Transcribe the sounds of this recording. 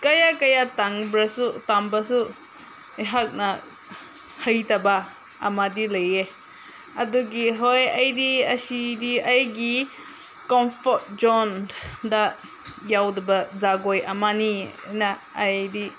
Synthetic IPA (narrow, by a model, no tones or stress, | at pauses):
kajakajataŋbɾasutambasu | eɦak̚na | həjtaba | amadileje | ɐduɡiɦɔjajdiɐsidiajɡi | kɔmpʰɔt̚d͡ʒɔnda | jawdabazaɡɔjamanina | ajdi